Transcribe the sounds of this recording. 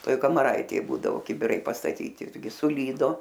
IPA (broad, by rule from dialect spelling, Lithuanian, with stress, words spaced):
ˈtoːj kɐmɐˈrɐɪtʲeːj ˈbuːdɐʋoː kʲɪbʲɪˈrɐɪ pɐstɐˈtʲiːtʲɪ ˈɪrʲɡʲɪ sʊˈlʲiːdoː